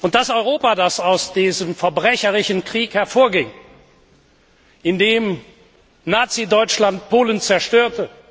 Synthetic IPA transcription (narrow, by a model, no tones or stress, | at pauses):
ʔʊnt̚d̥asɔʏʁoːpadasaʊsd̥iːzəmfɛɐbʁɛçəʁɪçənkʁ̥iːkhɛɐfoːɐɡɪŋ | ʔɪndeːm | naːt͡sidɔʏt͡ʃlant̚pʰoːlənt͡sɛɐʃtøːɐtə